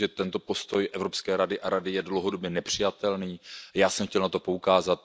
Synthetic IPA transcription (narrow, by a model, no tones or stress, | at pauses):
ɛt̪ɛnt̪o̞po̞st̪o̞jʔɛvɾo̞pskɛːɾadɪʔaɾadɪjɛdlowɦo̞dobɲɛnɛpr̝̥ɪjat̪ɛlniːjaːsɛmxcɛlnat̪o̞po̞ukaːzat̪̚